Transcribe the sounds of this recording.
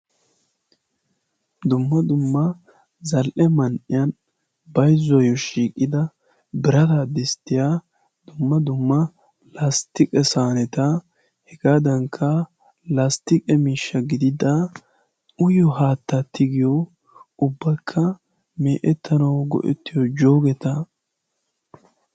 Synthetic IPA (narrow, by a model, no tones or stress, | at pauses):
d̪ʊmːɐd̪ʊmːɐ | zɐlʔɛmɐnʔɪjɐn | bɐjzɔjɔʃiːkʼːɪd̪ɐ | bɪɾɐt̪ad̪ɪst̪ːɪjaː | d̪̥ʊmːɐd̪ʊmːɐ | last̪ɪkʼɛsaːnɛt̪ɐ | hɛɡaːd̪ɐŋkʰːɐ | last̪ɪkʼɛmiːʃːɐɡɪd̪ɪd̪a | ʊjɔɦaːt̪ːɐt̪ːɪɡɪjɔ | ʊbːɐkʰːɐ | meːʔɛt̪ʰːɐnɐwɡɔ̰ʔɛ̰t̪ːɪjɔd͡ʒo̞ːɡɛt̪ɐ